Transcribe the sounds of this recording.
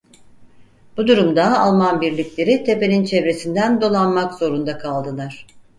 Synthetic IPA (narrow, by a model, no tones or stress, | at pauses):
b̥ud̪uɾumd̪aːlˠmanbiɾlʲiclʲe̞ɾit̪ʰe̞penint͡ʃʰevɾe̞sind̪ænd̪o̞lˠanmakzo̞ɾund̪akʰalˠd̪ɯlˠaɾ̝̥